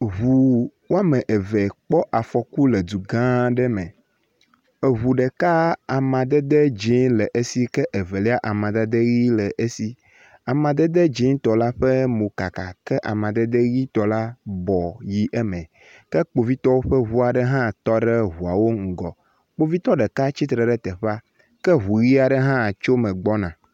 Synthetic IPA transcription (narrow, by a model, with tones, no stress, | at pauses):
ɦu˨wo˦a˦mẽ˨ʔe˨ve˨k͡pɔ˦ʔa˨fɔ˨ku˦le˨d̪u˨ɡã˦ɖɛ˦mɛ̃˨ | e˨ɦu˨ɖɛ˨ka˦a˨mã˨d̪ɛ˦d̪e˦d͡ʒi˦lɛ˨ʔe˦si˦kɛ˦ʔe˨vɛ˨lɛ˦a˦ʔa˨mã˨d̪ɛ˦d̪e˦ɣi˦lɛ˨ʔe˦si˦ | a˨mã˨d̪e˦d̪ɛ˦d͡ʒi˦ŋ˦t̪ɔ˨la˦ɸɛ˦mõ˨ka˨ka˨kɛ˦ʔa˨mã˨d̪ɛ˦d̪e˦ɣi˦t̪ɔ˦la˦bɔ˨ji˦ʔɛ˦mɛ̃˨ | kɛ˦k͡po˨vi˦t̪ɔ˦wo˦ɸə˦ɦu˦a˨ɖɛ˦ɦã˦t̪ɔ˦ɖɛ˦ɦu˨a˨wo˦ŋ̩˨ɡɔ˨ | k͡po˦vi˦t̪ɔ˦ɖɛ˨ka˦t͡ʃi˦t̪ɾɛ˨ɖɛ˦t̪ɛ˨ɸa˦ | kɛ˦ɦu˨ɣi˦a˨ɖɛ˦ɦã˦˨t͡ʃo˦mɛ̃˨ɡ͡bɔ˦nã˨